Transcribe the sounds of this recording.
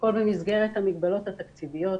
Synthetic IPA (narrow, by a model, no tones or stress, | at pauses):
ko̞lbemizɡe̞ʁet̪hamiɡbalo̞t̪hat̪akt͡sivijo̞t